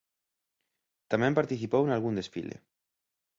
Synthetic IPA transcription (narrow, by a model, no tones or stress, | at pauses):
t̪amjempaɾt̪iθipowenalɣ̞und̪esfilḛ